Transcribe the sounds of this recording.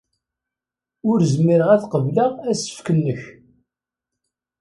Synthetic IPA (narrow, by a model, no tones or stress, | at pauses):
ʊɾzmːiɾəʁæθqəvləʁæsə̥fkənːəç